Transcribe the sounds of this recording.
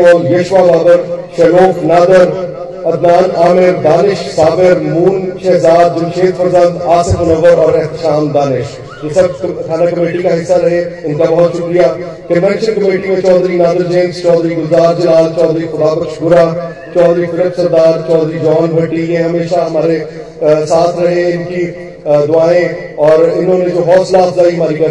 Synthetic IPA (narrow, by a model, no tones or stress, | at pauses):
ɔljeʃʋaːbaːd̪əɾʃɛloːkʰnaːd̪əɾ | ɐd̪naːnaːmɪɾd̪aːnɪʃsaːbɪɾmuːnʃɛɦzaːɾ̚d͡ʒɪnʃeːkʰfəɾzə̃nd̪aːsəfʊnəʋəɾɔːɾɛɦt̪ɪʃaːmd̪aːnɪʃ | d͡ʒesɐb̚t̪ʰaːnakɐmeːʈikaɦɪsːaɾɐɦeʊnkabɐɦʊt̪ʃʊkɾijaː | kənʋɛ̃ːnʃənkɐmeːʈimẽt͡ʃɔːd̪ɾinaːd̪əɾd͡ʒẽːnst͡ʃɔːd̪ɾiːɡʊzaːɾd͡ʒɪlaːlt͡ʃɔːd̪ɾiːxʊd̪aːpəkʃɡʊɾaː | t͡ʃɔːd̪ɾifɪləpsəɾd̪aːɾt͡ʃɔːd̪ɾid͡ʒɔːnbʱɐ̃ɳʈilẽɦɐmeːʃaɦɐmaːɾe | saːt̪ʰɾɐɦẽɪnki | d̪ʊaːẽ | ɔːɾɪnɦõːnẽd͡ʒoːɦɔːslaːsʰzaːiɦɐmaːɾikɐ